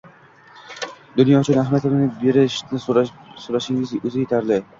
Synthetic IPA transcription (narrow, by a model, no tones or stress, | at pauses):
d̪ʊnjɒt͡ʃʰɪnɪahmat̪ʰɪmnɪbe̞ɾɪʃnɪsoɾaʃɪŋɪzɵzɪjet̪ʰaɾd̪ɪ